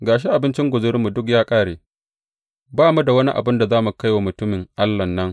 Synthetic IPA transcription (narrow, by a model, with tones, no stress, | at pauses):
ɡaː˨ʃ̬e˦ʔa˨bɪ˦nt͡ʃɪ˦ŋɡʷʊ˨zʊ˦ɾmu˨dʊ˦k̬jaː˦kʼaː˦ɽeː˨ | baː˦mu˦da˨wɐ˦ni˦ʔa̰˨bɪ˦nda˨zaː˦mu˨ka˦jwa˨mʊ˨tʊ˦mɪ˨ŋʔa˦lːɐ˨nːɐ˦ŋ